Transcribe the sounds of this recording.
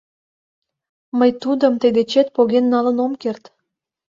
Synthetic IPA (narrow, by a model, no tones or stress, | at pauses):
məjt̪ud̪əmt̪əd̪et͡ɕet̪̚poɣenːɑlənomkert̪